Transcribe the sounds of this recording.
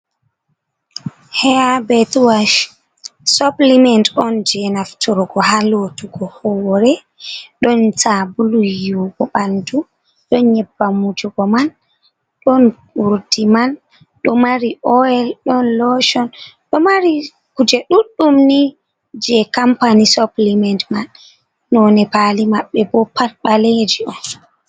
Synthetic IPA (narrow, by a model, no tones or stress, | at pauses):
hɛabɛtwaʃ | sɔplimɛntɔnd͡ʒɛnaftɔɾɡɔhalotuɡɔhɔwɔɾɛ | ɗɔnsabulujuɡɔɓandu | ɗɔnɲɛbːamud͡ʒuɡɔman | ɗɔnkuɾdiman | ɗɔmaɾiʔɔɛlɗɔnlɔʃɔn | ɗɔmaɾi | kud͡ʒɛɗuɗːumni | d͡ʒɛkampanisɔplimɛntmanː | ɔnɛpalimaɓːɛbɔpatɓaled͡ʒiʔɔn